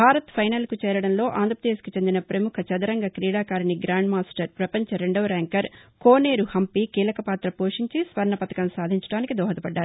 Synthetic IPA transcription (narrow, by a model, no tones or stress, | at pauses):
bʱaːɾɐt̪pʰɐjnɐlkut͡ʃɛːɾɐɽɐnlo̞ːʔaːnd̪ɾɐpɾɐd̪eːskit͡ʃe̞nd̪inɐpɾɐmukʰɐt͡ʃɐd̪ɐɾɐŋɡɐkɾiːɽaːkaːɾiniɡɾaːɳɖmaːsʈɐɾpɾɐpɐɲt͡ʃɐɾeɳɖɐʋɾɛːŋkɐɾkoːne̞ːɾuhɐmpikiːlɐkɐpaːt̪ɾɐpoːʂiɲt͡ʃisʋɐɾɳɐpɐt̪ɐkɐmsaːd̪ʱiɲt͡ʃɐ̥ɽaːnikid̪ɔːɦɐt̪ɐpɐɖːaːɾu